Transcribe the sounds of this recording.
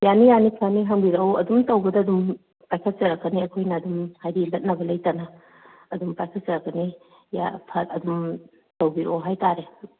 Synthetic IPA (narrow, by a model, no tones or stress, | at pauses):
janijanikʰaniɦɐŋbiɾwɐdumtɐwɡɐdɐːdum | pajkʰɐt̚t͡ʃɐɾɐkːɐniɐkʰojnɐːdumhajdilɐt̚nɐbɐlɐjtanɐ | ɐdumpajkʰɐt̚t͡ʃɐɾɐkːɐni | ja̰pʰɐtɐdum | tɐwbiɾowɦajtaɾe